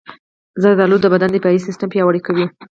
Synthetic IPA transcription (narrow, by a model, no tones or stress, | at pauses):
zəd̪d̪ɑlud̪ːəbad̪and̪əpjɑjisɪstampjɑwəɽikawi